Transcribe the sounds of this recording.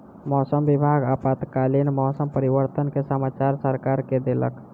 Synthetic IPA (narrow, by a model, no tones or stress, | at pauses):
mɔsəmbibʱaɡapat̪kalinmɔsəmpəɾiʋəɾt̪ənkesəmat͡ʃaɾsəɾkaɾked̪elə̰k